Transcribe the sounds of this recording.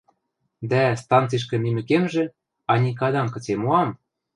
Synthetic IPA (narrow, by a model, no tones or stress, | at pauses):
d̪æst̪ɑnt͡siʃ̬kĕmimɘ̆kemʒĕ | ɑnʲikɑd̪ɑŋkɤ̆t͡semoɑm